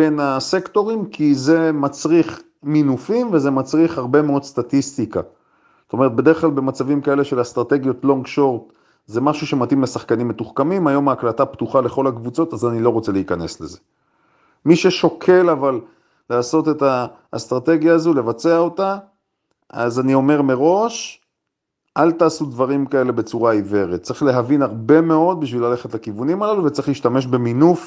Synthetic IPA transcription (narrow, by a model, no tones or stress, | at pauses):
benasekto̞ʁimkʰize̞mat͡sʁiχ | minufimveze̞mat͡sʁiχhaʁbe̞meo̞d̪st̪at̪ist̪ika | zot̪ome̞et̚be̞de̞eχklalbe̞mat͡savimkae̞leʃe̞last̪ʁate̞ɡjo̞tlo̞ŋɡʃo̞ʁt̪ | ze̞maʃuʃe̞matimlesaχkanimːetuχkamimajo̞maːklataptuχale̞χo̞lakvut͡so̞tazanilo̞ʁo̞t͡seleikane̞sleze | miʃe̞ʃo̞kʰe̞laval | laːso̞te̞ta | st̪ʁate̞ɡjaːzule̞vat͡se̞ao̞ta | ʔa̰zanio̞me̞ʁme̞ʁo̞ʃ | ʔalt̪aːsud̪vaʁimkae̞le̞be̞t͡suʁaive̞ʁet̚t͡sɐʁiχle̞ɦavinaʁbe̞me̞o̞d̪̚biʃvilale̞χetlakivunimalaluvet͡siχliːʃt̪ame̞ʃbe̞minuf